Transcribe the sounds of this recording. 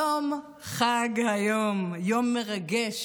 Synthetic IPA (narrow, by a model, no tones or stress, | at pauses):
om | χaɡhajomjomːeʁaɡɛʃ